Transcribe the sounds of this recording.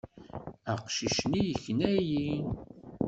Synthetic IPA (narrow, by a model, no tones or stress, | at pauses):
æqʃiʃnijəçnæjin